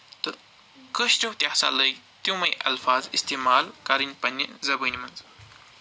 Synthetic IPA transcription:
t̪ɨ | kəʃʈuwt̪jasa̰ləj | t̪jũmɐjʔɐ̰lfaːzist̪eːmaːlkɐɾinpɐnːinzɐbənimɐnz

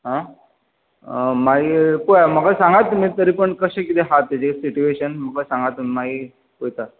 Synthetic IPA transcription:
ɦã | maipujaməɡasãŋɡat̪ːumiːt̪əɾiːpəɳkəɕẽkit̪eɦat̪ːjat͡ɕesiʈueɕənməkasãŋɡat̪ːumimaɦiː | pojt̪a

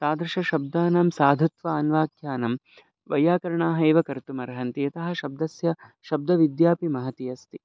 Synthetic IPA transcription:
saːd̪ɾɐʃɐʃɐb̚d̪aːnaːmsaːd̪ʱɐt̪ʋɐːnʋaːkʰjaːnɐm | ʋɐjaːkɐɾɐɳaːɦɐjʋɐkɐɾt̪umɐɾɐɦɐnt̪iɐt̪ɐɦɐ̆ʃɐb̚d̪ɐsjɐʃɐb̚d̪ɐʋid̪jaːpimɐɦɐt̪ijɐst̪i

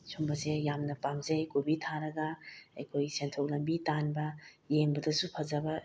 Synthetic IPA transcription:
sʰumbɐsejamnɐpamzejkubitʰaɾɐɡɐɐjkʰojsentʰok̚lɐmbitanbɐ | jeŋbɐdɐsupʰɐzɐbɐ

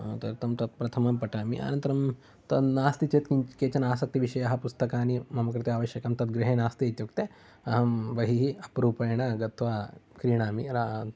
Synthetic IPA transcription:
t̪ɐɾt̪ɐmt̪ɐt̪̚pɾɐt̪ʰɐmɐmpɐʈaːmiʔa̰ːnɐ̃nt̪ɐɾɐm | t̪ɐd̪naːst̪it͡ʃeːt̪kikeːt͡ʃɐnaːsɐk̚t̪iʋiʃɐjɐɐɦɐpust̪ɐkaːnimɐmɐkɾɨt̪eaːʋɐʃjɐkɐmt̪ɐd̪̚ɡɾiɦeːnaːst̪it̪jukt̪e | ɐɦɐmbɐɦiɦiɐpɾuːpɐjɳɐɡɐt̪ʰʋakɾiːɳ̃aːmiɾa

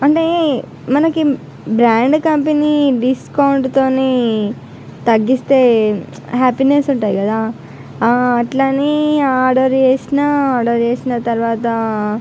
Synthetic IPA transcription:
ɐɳʈe̞ː | mɐnɐki | bɾaːɳɖkɐmpeniɖiskɐwuɳʈt̪o̞ːneː | t̪ɐɡːist̪e̞ː | ɦaːpinesuɳʈaːjikɐd̪aː | ʈlaːniaːɖoːɾt͡ʃeːsinaaːɖoːɾt͡ʃeːsinɐt̪ɐɾʋaːt̪ɐ

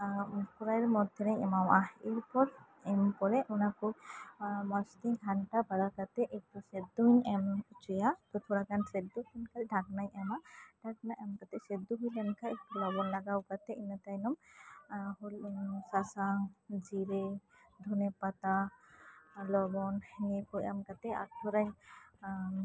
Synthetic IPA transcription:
kʰuɾaɛɾmɔd̪ʱɛnɛjɛmawʔaiɾpɔɾ | ɛmkɔɾɛʔɔnakuɾ | mɔst̪iŋhʰanʈabad̪akat̪ɛʔek̚ʈused̪uɲɛmut͡ʃɔjat̪ɔt̪ʰɔɽakansed̪uɛnkalɖʱaɡnajɛmaɖ̥ʱaknajʔɛmkat̪ɛsed̪uɦujlɛnkaʔulɔbɔnlaɡawkat̪ɛinat̪ajnɔm | hulsasaŋd͡ʒiɾe | d̪ʱɔnɛpat̪a | lɔbɔnhɛnikɔɛmkat̪ɛa̰tʰɔɾaj

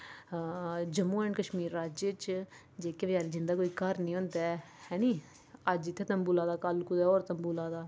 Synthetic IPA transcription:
d͡ʒəmːuːɛːɳɖkəʃmiːɾːaːd͡ʒet͡ʃ | d͡ʒeːkeʋəd͡ʒaːɾid͡ʒɪnd̪aːkoːiːkəɾnĩːɦʊ̃nd̪ɛː | hɛːnĩː | əd͡ʒɪt̪ʰːeːt̪əmbuːlaːd̪aːkəlkʊd̪ɛːoːɾt̪əmbuːlaːd̪aː

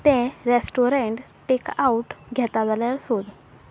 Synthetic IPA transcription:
t̪ɛ̃ɾesʈoɾeɳʈ | ʈekauʈɡʱɛt̪ad͡zaljaɾsod̪

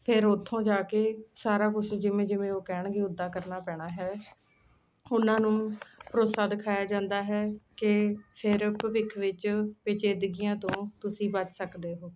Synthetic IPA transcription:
pʰɪɾʊt̪ʰːõːd͡ʒaːkeːsaːɾaːkʊt͡ʃʰd͡ʒɪʋẽːd͡ʒɪʋẽːoːkɛːɳɡeːʊd̪ːaːkəɾnaːpɛːɽ̃aːɦɛː | ʊnãːnũːpɾoːsaːd̪ɪkʰaːjaːd͡ʒãːnd̪aːɦɛːkɪpʰɪɾpʋɪkʰʋɪt͡ʃpɪt͡ʃeːd̪ɡijãːt̪õːt̪ʊsĩːbət͡ʃsəkd̪eːɦoː

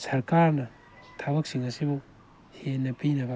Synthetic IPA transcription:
sɐɾkaɾnɐ | tʰabɐksiŋɐsibu | henːɐpinɐbɐ

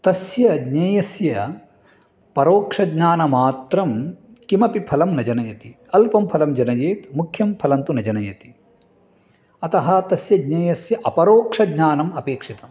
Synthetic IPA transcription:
t̪ɐsjɐɡɲɐjɐsjɐ | pɐɾoːkʂɐɡɲaːnɐmaːt̪ɾɐm | kimɐpipʰɐlɐmnɐd͡ʒɐnɐjɐt̪i | ɐlpɐmpʰɐlɐmd͡ʒɐnɐjeːt̪mukʰjɐmpʰɐlɐnt̪unɐd͡ʒɐnɐjɐt̪i̥ | ɐt̪ɐɦɐt̪ɐsjɐɡɲɐjɐsjɐʔɐpɐɾoːkʂɐɡɲaːnɐmɐpeːkʂit̪ɐm

